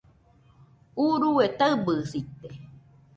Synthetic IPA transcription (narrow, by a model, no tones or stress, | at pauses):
uɾuet̪aɨbɨsit̪e